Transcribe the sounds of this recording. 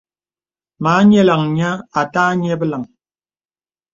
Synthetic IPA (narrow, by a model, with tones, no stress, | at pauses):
maː˨˦ɲɛ˦la˨ŋɲa˦a˨taː˦ɲɛ˦bə˦la˨ŋ